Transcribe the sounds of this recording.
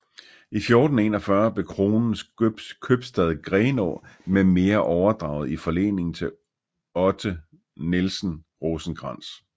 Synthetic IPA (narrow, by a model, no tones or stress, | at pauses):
ifjo̝ːd̥n̩e̝̰ːnɒfɶɐb̥le̝kʰʁo̝ːnn̩skʰøb̥sd̥ɛð̞̩ˠɡ̥ʁɛːno̰meme̝ːɐʔɒʊɐd̥ʁɑ̈ʊð̞̩ˠifɒ̽le̝̰ːne̝ŋn̩t͡sʰe̝ | ɒ̽d̥ʰə | nelsn̩ | ʁosn̩ɡ̥ʁɑ̈n̰s